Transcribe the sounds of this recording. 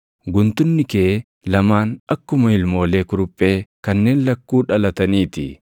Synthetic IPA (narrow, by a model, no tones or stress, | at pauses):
ɡʊnt̪ʊnːɪkeʔ | lɐmaːnɐkːʊmɐɪlmo̞ːle̞ːkʊɾʊpʼːeːkɐnːe̞ːnlɐkːuːᶑɐlɐt̪ɐniːt̪ɪ̰